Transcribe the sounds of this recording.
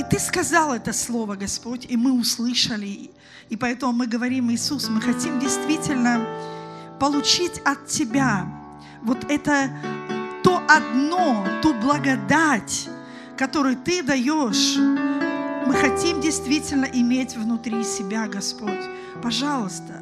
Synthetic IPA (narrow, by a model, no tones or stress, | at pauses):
it̪ɨskɐzɑlˠɛt̪əslˠo̞vəɡɐspo̞tʲimɨʊslˠɨʂəlʲɪ | ɪpɐɛt̪əmʊmɨɡəvɐɾʲimɨːsusmɨxɐtʲimdʲɪjst̪vʲitʲɪlʲnə | pəlˠʊt͡ɕitʲɐt̪tʲːɪbʲa | vo̞t̪ɛt̪ə | t̪oʔɐd̪not̪ublˠəɡɐd̪atʲ | kɐt̪o̞ɾʊjʊt̪ɨd̪ɐjoʂ | mɨxɐtʲimdʲɪjst̪vʲitʲɪlʲnəʔɪmʲetʲvnʊt̪ɾʲisʲɪbʲaɡɐspotʲ | pɐʐɑlˠəst̪ə